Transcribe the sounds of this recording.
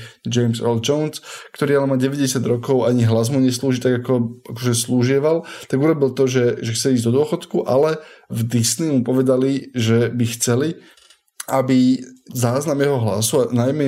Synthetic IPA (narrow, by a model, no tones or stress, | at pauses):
d͡ʒɛjmzɛ̰ld͡ʒɔʊnskt̪ɔɾiːalɛmaɟɛʋɛɟɛsɪad̪ɾɔkɔʊaɲiɦlazmuɲɛsluːʒit̪aɡakɔʔakɔʒɛsluːʒɪɛʋalt̪aɡuɾɔbilt̪ɔʒɛʒɛxt͡sɛliːzd̪ɔd̪ʊɔxɔt̪kuʔa̰lɛvd̪isniumupɔʋɛd̪aliʒɛbixt͡sɛli | ʔabizaːznamjɛɦɔɦla̰suanajmɛ